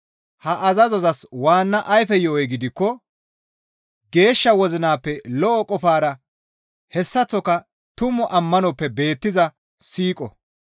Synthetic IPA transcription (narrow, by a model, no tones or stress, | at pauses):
hɐʔɐzɐzɔzɐswaːnːɐʔɐjfɛjɔːjɛɡɪd̪ɪkːɔ | ɡe̞ːʃːɐwɔzɪnaːpːɛlɔʔɔkʼɔfaːɾɐ | hɛsːɐt͡sːɔkɐ | t̪ʊmɔʔɐmːɐnɔpːɛbe̞ːt̪ːɪzɐ | siːkʼɔ̰